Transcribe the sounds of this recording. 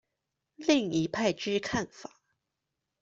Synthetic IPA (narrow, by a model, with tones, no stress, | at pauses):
li˥˩ŋi˧˥pʰa˥˧ɪʈ͡ʂɻ̩˥kʰa˥˩nfa˨˩˦